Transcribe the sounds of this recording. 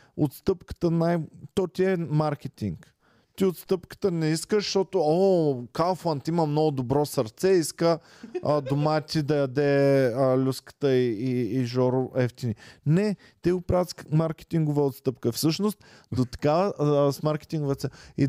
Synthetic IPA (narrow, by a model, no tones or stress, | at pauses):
ot̪st̪ɤpkə̥t̪ənajt̪ɔt̪iɛmaɾk̟ʲɛt̪iŋk | t̪iot̪st̪ɤpkə̥t̪ənɛiskəʃʃt̪ɔt̪ookalˠfant̪imɐmnɔɡʊd̪obɾɔsɐɾt̪sɛiskə | əd̪omat̪ʲid̪ɐjɐd̪ɛəlʲuskə̥t̪əiiːʒɔɾʊʔɛft̪ʲininɛ | t̪ɛɡʊpɾavət̪smaɾkʲɛ̥t̪ʲiŋɡʊvəot̪st̪ɤpkəfsɤʃnost̪̚ | d̪ot̪ɐ̥kavəsmaɾkʲɛ̥t̪iŋɡʊvət̪sɛi